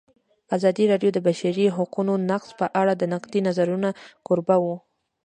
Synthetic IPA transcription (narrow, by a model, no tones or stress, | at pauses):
azɑd̪iɾɑɖjod̪əbaʃaɾiɦʊqunonaqspəʔaɽad̪ənaqd̪inazaɾunakʊɾbawu